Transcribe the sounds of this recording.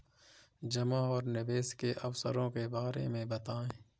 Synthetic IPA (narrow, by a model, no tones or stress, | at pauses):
d͡ʒɐmaɔːɾnɪbeːskeʔɐfsə̰ɾõkebaːɾḛmẽbɐt̪aːẽː